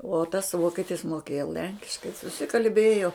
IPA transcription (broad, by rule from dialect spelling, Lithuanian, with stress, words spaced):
uɔ tɐs ˈʋoːkʲɛtʲɪs moːˈkʲeːjoː ˈlʲɛŋʲkʲɪʃkɐɪ sʊsʲɪkɐlʲˈbʲeːjoː